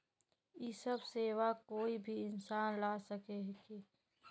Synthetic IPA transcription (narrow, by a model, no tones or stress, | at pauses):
isəbseːwakoːibʱiɪnsaːnlaːsɐkeɦki